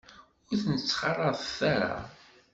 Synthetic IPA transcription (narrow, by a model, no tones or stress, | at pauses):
ʊɾθnət͡sːχɑrˤːɑðθæɾa̰